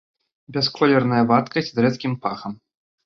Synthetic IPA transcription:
bʲɛskɔlʲɛrnɐjɐvat̪kɐsʲd̪ɾɛt̪kʲimpaxɐm

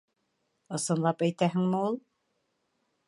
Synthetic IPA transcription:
ɤ̆sɤ̆nlˠɑpæjt̪æɦɘŋmɘulˠ

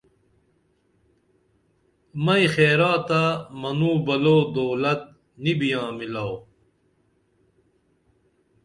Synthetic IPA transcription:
mɐixeːɾãːt̪amɐnuːbɐloːd̪oːlɐt̪̚ | nibijãːmilaw

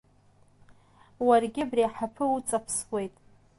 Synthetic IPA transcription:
warɡʲɪbriaħapʰɨut͡sʼapʰswʷe̞jtʼ

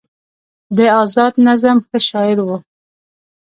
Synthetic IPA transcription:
d̪əɑzɑd̪nazamxəʃɑɪɾwu

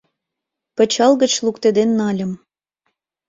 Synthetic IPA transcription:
pə̆t͡ɕɑlɣət͡ɕlukt̪ed̪enːɑlʲə̆m

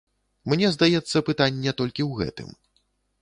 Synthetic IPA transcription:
mnʲɛzd̪ajɛt̪sːɐpɨt̪anʲːɛt̪ɔlʲkʲiwɣɛ̰t̪ɨ̰m

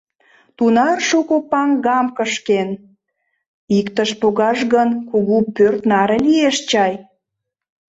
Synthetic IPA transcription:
t̪unɑrʃukopɑŋɡɑmkəʃken | ikt̪əʃpoɣɑʃɣənkuɣupørt̪nɑɾelieʃt͡ɕɑj

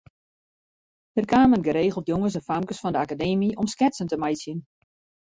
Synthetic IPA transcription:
ərkaːmənɡəɾeːɣəlˠtjoŋəs̬ɛnfamkəsfɔndəakadeːmiʔɔmskɛtsəntəmajsjən

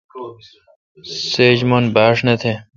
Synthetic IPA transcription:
seːd͡ʑmonbaːʂnɐt̪ʰe

